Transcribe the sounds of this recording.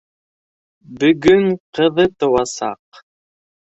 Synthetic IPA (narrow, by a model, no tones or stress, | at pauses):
bɵ̆ɡɵɴqɤ̆ðɤt̪ŏwɑsɑq